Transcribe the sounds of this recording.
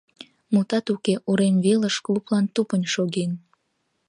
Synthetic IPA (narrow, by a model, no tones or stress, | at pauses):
mut̪ɑt̪ukeʔuɾemβeləʃkluplɑnt̪upənʲʃoɣen